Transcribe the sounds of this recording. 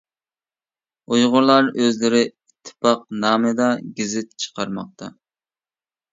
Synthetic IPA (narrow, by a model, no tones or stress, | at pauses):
ojʁʊlˠɑɾøzlɪɾɪit̪ʰːɪ̥pʰɑq̚nɑːmɨd̪ɑɡʲɪzɪt̪t͡ʃʰə̥qʰɑɾmɑq̚t̪ʰɑ